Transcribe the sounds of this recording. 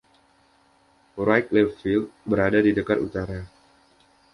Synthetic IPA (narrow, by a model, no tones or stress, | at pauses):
rajk̚lɛfilt̪̚bəɾadadidəkarṵt̪aɾa